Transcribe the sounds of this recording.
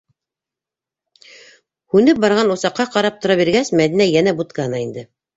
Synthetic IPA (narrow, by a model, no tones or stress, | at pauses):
hʉnɘp̚bɑɾʁɑnusɑqːɑqɑɾɑp̚t̪ŏɾɑβiɾɡæsmæðinæjænæbut̪kɑnɑind̪ɘ